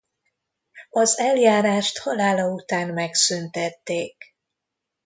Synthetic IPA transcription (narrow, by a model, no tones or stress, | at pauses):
ɒzɛljaːɾaːʃt̪hɒlaːlɒut̪aːnmɛksynt̪ɛt̪ːeːk